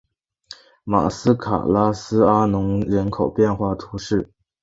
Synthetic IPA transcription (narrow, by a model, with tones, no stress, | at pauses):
ma̰˨˩sɹ̩˥kʰa̰˨˩la˥sɹ̩˥a˥nʊ˧˥ŋɻə˧˥nkʰo˨˩ʊpjɛ˥˧nxwa˥˩t̪ʰu˧˥ʂɻ̩˥˩